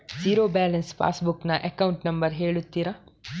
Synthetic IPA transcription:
siːɾoːbaːlɐnspʰa̰ːsbuknɐʔekɐwuɳʈnɐmbɐɾɦeːɭut̪ːiːɾa

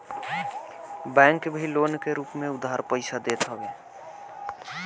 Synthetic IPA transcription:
bɛ̃ŋkbʱilonkeɾuːpmẽʊd̪ɦaɾpəɪsʰad̪et̪ɦəbe

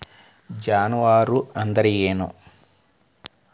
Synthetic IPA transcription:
d͡ʒaːnuʋaːɾuɐnd̪ɐɾijeːnṵ

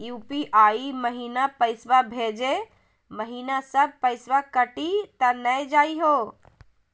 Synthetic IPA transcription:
juːpiʔaiməɦiːnapəɪswabʱed͡ʒe | məɦinasəb̚ʱpəɪsʋakəʈit̪ənəjd͡ʒaːiɦo

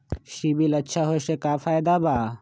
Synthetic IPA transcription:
ʃiːbilɐt͡ʃʰaːɦoeʃeːkaːfaːjd̪aːbaː

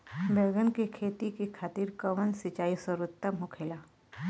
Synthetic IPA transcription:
bʱeːɡənkekʰeːt̪ikikʰaːt̪iːɾkɐʋənsɪt͡ʃaːisəɾʊt̪ːəmɦʊkʰeːlaː

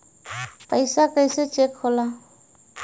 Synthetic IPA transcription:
pəjsakəjset͡ʃekʰhɔla

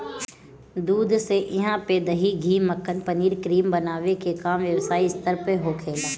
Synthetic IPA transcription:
d̪uːd̪seʔɪɦãped̪ɐɦiɡʱiːməkʰːənpɐniːɾkɾiːmbɐnaːʋekekaːmʋjəʋsaːiɪst̪əɾpeɦoːkʰeːl

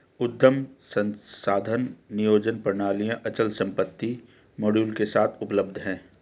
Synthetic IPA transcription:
ʊd̪ʱːəmsə̃nsaːd̪ʱənːɪjoːd͡ʒənpɾəɳ̃aːlijãʔɐt͡ʃəlsɐ̃mpət̪ːi | moːɽjuːlkesaːt̪ʰʊpləb̚d̪ʱɦɛ̃ː

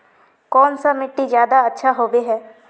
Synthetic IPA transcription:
kɔːnsamɪʈːizjaːd̪aətːʃʰaɦoːbeɦɛː

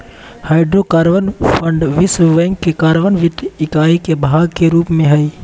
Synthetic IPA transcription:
haːɪɖɾokaːɾʋənpʰə̃ɳɖʋɪsʋɛ̃ːŋkːekaːɾʋənʋɪt̪ɪkaːikebʱaːɡkeɾuːpmẽɦəi

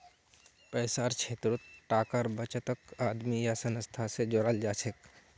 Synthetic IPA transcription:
pəɪsaɾt͡ʃʰeːt̪ɾot̪ʈaːkəɾbət͡ʃət̪əkaːd̪mijasənəst̪ʰased͡ʒoɾald͡ʒaːt͡ʃʰek

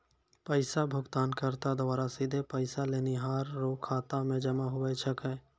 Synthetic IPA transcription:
pəɪsabʱʊɡt̪aːnkəɾt̪ad̪oʋaːɾasid̪ʱepəɪsaleːniɦaːɾːoːkʰːaːt̪amẽd͡ʒəmaɦʊwəjt͡ʃʰəkɛ̃

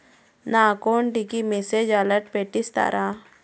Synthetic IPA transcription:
nakɔɳʈikimɛsed͡ʒaləʈ̚peʈist̪a̰ɾʔa

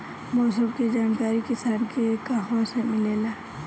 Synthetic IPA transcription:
moːsʊmked͡ʒaːnkaːɾikɪsaːnkekaːɦõsemɪleːlaː

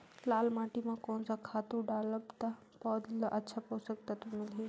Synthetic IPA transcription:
laːlmaːʈimãkɔːnsakʰaːt̪uɖaːləbt̪a | pɔːd̪lʔɐtːʃʰapoːsək̚t̪at̪umɪlɦi

